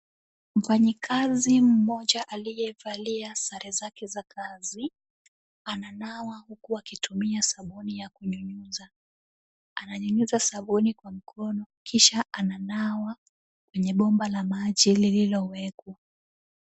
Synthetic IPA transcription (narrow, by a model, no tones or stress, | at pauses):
m̩faɲikʰazim̩mɔʄaʔalijɛvaliasaɾʔɛzakɛzakazi | ananawahukuakitumiasaɓunijakuɲuɲuza | anaɲuɲuzasaɓunikwam̩kʰɔnɔkiʃaʔananawa | kwɛɲɛɓɔmbalamaʄilililɔwɛkwa